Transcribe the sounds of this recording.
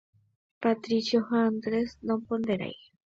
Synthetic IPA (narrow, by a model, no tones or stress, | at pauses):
pat̪ɾisjohand̪ɾesnompond̪eɾa̰j